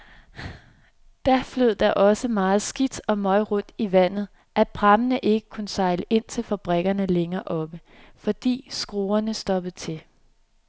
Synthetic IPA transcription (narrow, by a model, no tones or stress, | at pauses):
d̥æfløð̰ˠd̥ɑʔɒ̽səmɑ̈ːð̞̩ˠsɡ̥id̥ɒ̽mɒ̽ɪʁɔ̽n̰d̥iʋæn̰ð̞̩ˠ | ʔæ̥b̥ʰʁɑ̈mənəʔe̝ɡ̥əkʰunsɑ̈ɪləʔe̝n̰t͡sʰe̝lfæb̥ʁɛɡ̥ɐnəleŋɐːʔɒ̽b̥ə | fɒ̽d̥ḭːsɡ̥ʁo̝ːɐnəsd̥ɒ̽b̥ð̩ˠt͡sʰe̝l